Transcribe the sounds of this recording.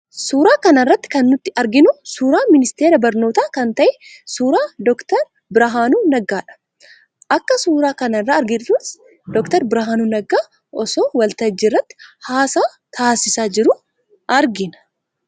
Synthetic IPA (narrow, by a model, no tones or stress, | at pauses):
suːɾaːkɐnɐrːɐt̪ːɪ̥kɐnːʊt̪ːɪʔɐɾɡɪnʊsuːɾaːmɪnɪst̪e̞ːɾɐbɐɾno̞ːt̪aːkɐnt̪ɐʔɛsuːɾaːd̪ɔkt̪ɐɾ | bɪɾɐɦaːnuːnɐɡaːᶑɐ̥ | ʔɐkːɐsuːɾaːkɐnɐrːaːɐɾɡɪᶑ̪uːs | d̪ɔkt̪ɐɾbɪɾɐɦaːnuːnɐɡaː | ɔsoːwɐlt̪ɐd͡ʒːɪrːɐt̪ːɪ̥haːsaː | t̪ʰaːsɪsaːd͡ʒɪɾʊ | ʔɐɾɡɪnɐ̥